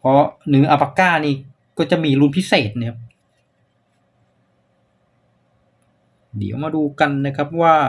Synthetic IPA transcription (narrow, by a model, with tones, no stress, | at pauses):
pʰɔ˦˥nɯː˩˦ʔa˧pa˧kaː˥˩niː˥˩ | kɔː˥˩t͡ɕa˨˩ʔmiː˧lu˧npʰi˦˥seː˨˩t̪̚nɯ˦˥˦ | dḭ˩˦ə˦wmaː˧duː˧ka˧nːa˦˥kʰa˦˥p̚waː˥˩